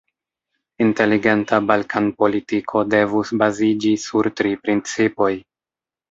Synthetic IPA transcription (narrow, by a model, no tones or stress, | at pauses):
inte̞liɡe̞ntabalkʰanpo̞litikʰo̞de̞vusbazid͡ʒisuɾtɾipɾint͡sipo̞j